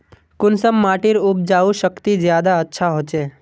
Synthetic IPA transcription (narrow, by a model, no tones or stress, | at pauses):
kʊnsəmːaʈiɾʊp̚d͡ʒaʋũʃəkt̪id͡ʒjad̪aətːʃʰaɦot͡ʃe